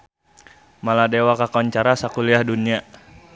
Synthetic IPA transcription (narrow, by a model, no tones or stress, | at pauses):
maladewakakɔɲt͡ʃaɾasakuliahdunia